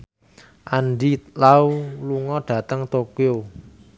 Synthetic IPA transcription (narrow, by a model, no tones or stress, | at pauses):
ʔanɖilauluŋɔɖ̥ä̤t̪əŋt̪okeo